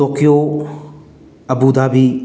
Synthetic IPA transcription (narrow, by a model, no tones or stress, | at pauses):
ɔkijo | əbud̪abi